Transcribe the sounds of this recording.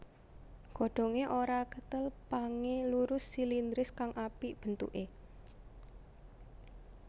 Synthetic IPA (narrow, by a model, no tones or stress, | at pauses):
ɡ̥o̤ɖ̥o̤ŋeʔoɾakət̪əlpaŋeluɾʊsːilind̪ɾɪskaŋʔapiʔb̥ə̤nt̪ṵʔe